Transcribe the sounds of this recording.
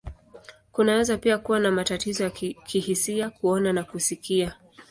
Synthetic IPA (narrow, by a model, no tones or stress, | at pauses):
kunawɛzapiakuwanamatatizɔjakʰihisiakuɔnanakusikia